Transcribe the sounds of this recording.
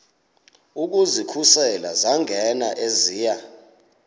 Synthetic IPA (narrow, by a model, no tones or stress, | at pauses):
uk̬uzikʰusɛlazaŋʱɛnaʔeziːja